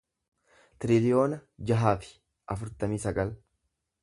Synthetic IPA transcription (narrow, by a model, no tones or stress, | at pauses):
t̪ɪɾɪlɪjo̞ːnɐd͡ʒɐɦaːfɪ̥ | ʔɐfʊɾt̪ɐmiːsɐɡɐl